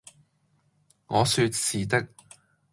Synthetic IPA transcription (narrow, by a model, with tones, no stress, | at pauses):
ŋɔː˨˧sy˧t̚siː˨t̪ɪ˥k̚